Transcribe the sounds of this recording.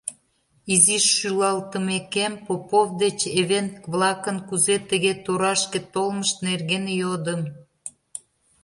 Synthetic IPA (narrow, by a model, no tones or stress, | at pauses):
iziʃːylɑlt̪əmekempopovd̪et͡ɕeβent̪kβlˠɑkənkuzet̪əɣet̪oɾɑʃkĕt̪olməʃt̪nerɣenjod̪əm